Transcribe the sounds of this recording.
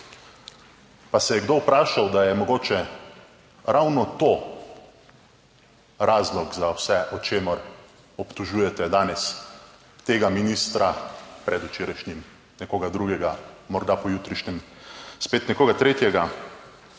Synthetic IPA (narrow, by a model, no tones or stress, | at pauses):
pasɛjɛɡd̪owpɾaːʃawd̪ajɛmɔɡoːt͡ʃɛ | ɾawnɔt̪o | ɾʔaːzlɔɡzawsɛʔɔt͡ʃeːmɔɾ | ɔpt̪ɔʒuːjɛt̪ɛd̪aːnɛs | t̪eːɡaminist̪ɾapɾɛd̪ut͡ʃeːɾajʃnʲim | nɛkoːɡad̪ɾuːɡɛɡamɔɾd̪apɔjuːt̪ɾiʃɲɛmspeːt̪nɛkoːɡat̪ɾeːt̪jɛɡa